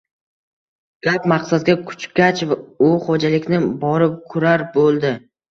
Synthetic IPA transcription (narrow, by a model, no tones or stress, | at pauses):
ɡ̥ʲapmaqsad̪̚ɡʲakʰʊ̥t͡ʃkʲat͡ʃvaʊχod͡ʒalɪkʲnɪbɒɾɪp̚kʰʊɾaɾbolˠd̪ɪ